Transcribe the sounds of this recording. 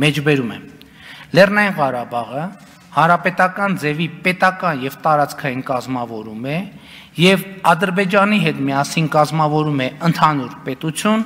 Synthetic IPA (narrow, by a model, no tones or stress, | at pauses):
mɛt͡ʃʰbɛɾumɛ̰ | lɛrnɑjinʁɑɾɑbɑʁə | hɑnɾɑpɛt̪ɑkɑnd͡zɛvipɛt̪ɑkɑnjɛvt̪ɑɾɑt͡skʰɑjinkɑzmɑvɔɾumɛ | jɛvɑd̪əɾbɛd͡ʒɑniɦɛt̪miɑsinkɑzmɑvɔɾumɛənt̪ʰɑnuɾpɛt̪ut͡sʰjun